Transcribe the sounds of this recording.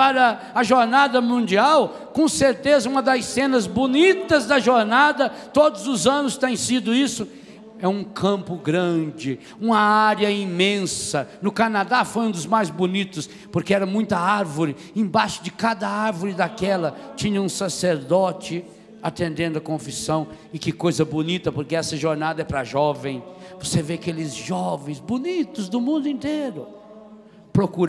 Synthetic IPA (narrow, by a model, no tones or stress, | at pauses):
paɾɐ | ɐʒoɾnad̪ɐmũnd͡ʒiaw | kõseɾt̪ezɐũmɐd̪ɐjsẽnɐzbonit̪ɐzd̪ɐʒoɾnad̪ɐt̪od̪ʊzʊzɐ̃nʊst̪ẽj̃sid̪ʊisʊ | ɛũkʰɐ̃mpʊɡɾɐ̃d͡ʒɪ | ũmɐaɾjɐĩmẽsɐnʊkanad̪afoj̃ũd̪ʊzmajzbonit̪ʊs | poɾkeɛɾɐmũj̃t̪ɐaɾvʊɾɪ | ẽbaʃʊ̥d͡ʒɪkad̪ɐaɾvʊɾɪd̪akɛlɐt͡ʃĩɲɐũsaseɾd̪ɔt͡ʃɪ | at̪ẽnd̪ẽnd̪ʊɐkõfisɐ̃w̃ | ɪkɪkojzɐbonit̪ɐpoɾkeɛsɐʒoɾnad̪ɐɛpɾɐʒɔvẽj̃voseveakelɪzʒɔvẽj̃zbonit̪ʊzd̪ʊmũnd̪ʊĩnt̪eɾʊ | pɾokuɾ